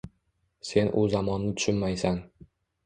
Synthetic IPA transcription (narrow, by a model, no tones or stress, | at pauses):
se̞nʔʊzamɒnːɪt̪ʰʊ̥ʃʊnmajsan